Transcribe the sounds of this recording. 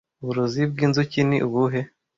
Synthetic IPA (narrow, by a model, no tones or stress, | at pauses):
uβuɾuzib̚ɡiːnzucinḭʔuβuɦe